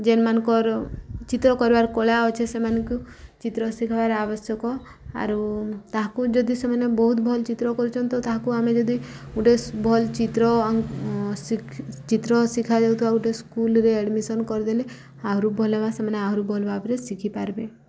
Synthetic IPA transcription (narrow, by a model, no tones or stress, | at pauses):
d͡ʒenmanɔ̃kɔɾt͡ʃit̪ɾɔkɔɾbaɾkoɭaɔt͡ʃʰesemanɔku | t͡ʃit̪ɾɔsikʰbaɾabɔsjɔkɔ | a̰ɾut̪aɦakud͡ʒɔd̪isemanebɔɦut̪bʱɔlt͡ʃit̪ɾɔkɔɾut͡ʃʰɔnt̪ɔt̪aɦakuamed͡ʒɔd̪iuʈebʱɔlt͡ʃit̪ɾɔasikʰt͡ʃit̪ɾɔsikʰad͡ʒawt̪ʰibauʈeskulɾeeɽmisɔnkɔɾd̪ele | aɦɾubʱɔlebasemaneaɦɾubʱɔlbapɾesikʰipaɾbe